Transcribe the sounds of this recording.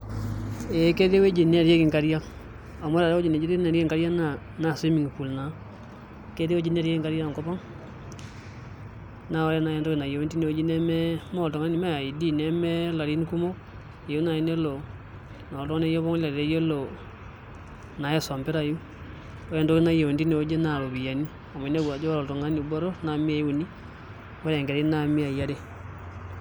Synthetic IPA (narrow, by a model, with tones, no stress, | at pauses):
e˨ke˦te˦we˦d͡ʒi˨n˦a˦˨ɾje˦kɪ˨ŋka˨˦ɾja˦ | a˨mɔ˦ɾa˨ɾɛ˦o˦d͡ʒi˨ne˨d͡ʒi˦te˦na˨ɾe˦˨ŋɡa˦ɾja˦na˨ | na˨si˦mi˨ŋ˨pu˨lna˨ | ke˦te˦we˦d͡ʒi˦n˦a˨ɾje˦kɪ˨ŋɡa˦ɾja˦˨ŋkɔ˦bɔ˦ŋ | na˨ɔ˦ɾɛ˦na˨jɛ˦ndɔ˦i˨na˨jo˨˦nti˦ne˨we˦d͡ʒi˦nɛ˦mɛ˦mɔ˨tɔ˨ŋa˦ni˨˦ma˦a˨i˨di˦nɛ˦mɛ˦la˨ɾi˦nku˦mo˦˨ | e˨u˦na˨i˨˦ne˦lo˨ | na˨ltɔ˦ne˦o˦βɔ˦ŋ˦la˨ɾɾe˦je˦lo˨ | na˨je˦so˨mbe˦ɾa˨ju˦ | o˦ɾɛ˨nto˦ki˦na˦je˨we˨ndi˦ne˨o˦d͡ʒe˦na˨lo˨bi˨ja˨ni˦ | a˨mɔ˨i˨ne˦ɡwa˨d͡ʒo˦ɔ˨to˨ŋa˦ni˨bɔ˦ɾo˦na˨mi˦a˨i˦u˨ni˦ | wɔ˦ɾɛ˨ŋɡe˨ɾna˨mi˦a˨ja˦ɾe˦